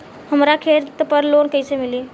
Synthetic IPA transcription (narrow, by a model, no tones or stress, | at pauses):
həmɾakʰeɾt̪pəɾlonkəsɛmili